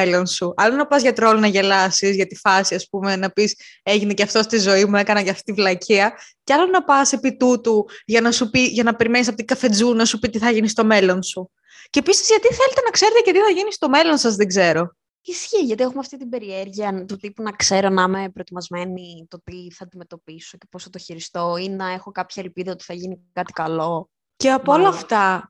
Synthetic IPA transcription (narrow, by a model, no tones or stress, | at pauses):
elo̞nsuɐlonɐpɐzʝɐt̪ɾo̞lonɐʝe̞lɐsizʝɐt̪ifɐsiɐspume̞nɐpise̞ʝine̞ceɐft̪o̞st̪izo̞imue̞kɐnɐʝɐft̪i̥t̪ivlɐcʰiɐceɐlonɐpɐse̞pit̪ut̪uʝɐnɐsupiʝɐnɐpe̞ɾimenisɐpot̪iɡɐfe̞d͡zunɐsupit̪iθɐʝinist̪o̞me̞lo̞nsu | cepisizʝɐt̪iθe̞let̪enɐkse̞ɾe̞t̪ecet̪iθɐʝinist̪o̞me̞lo̞nsɐzðeɡze̞ɾo̞ | isçiʝɐt̪iexumeɐft̪it̪ibe̞ɾieɾʝiɐnt̪ut̪ipunɐkse̞ɾo̞nɐme̞pɾot̪imɐzme̞nit̪o̞t̪iθɐd̪ime̞t̪o̞piso̞ce̞posot̪oçiɾist̪o̞innɐe̞xo̞kɐpçɐelpiðɐot̪i̥θɐʝinikɐt̪i̥kɐlo̞ | ce̞ɐpoolɐːft̪ɐ